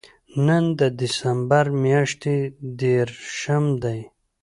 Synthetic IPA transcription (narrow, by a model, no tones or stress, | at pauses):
nɐnd̪əd̪ɪsambaɾmjaʂt̪ed̪eɾʃamd̪aj